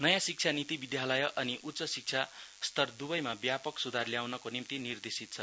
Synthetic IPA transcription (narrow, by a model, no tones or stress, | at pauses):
nʌjãsik̚t͡sʰanit̪ibid̪jalʌjʌʔʌniʔut̪sʌsik̚t͡sʰast̪ʌrd̪ubʌjmabjapʌksud̪ʱarljawnʌkonimt̪inird̪esit̪̚t͡sʰʌ